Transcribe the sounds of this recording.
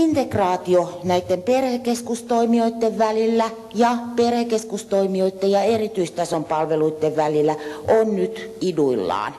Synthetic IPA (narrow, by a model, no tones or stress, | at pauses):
int̪ekrɑːt̪ionæit̪ːemperhekeskust̪oimioit̪ːeʋʋælilːæ | jɑperhekeskust̪oimioit̪ːejɑerit̪yist̪ɑsompɑlʋeluit̪ːeʋʋælilːˑæʔonnyt̪iduilːɑ̰ːn